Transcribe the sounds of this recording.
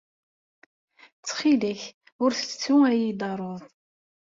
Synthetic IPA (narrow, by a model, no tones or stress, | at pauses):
t͡sːχiləç | ʊɾθə̥t͡sːuæjid̪ˤɑɾˤoðˤ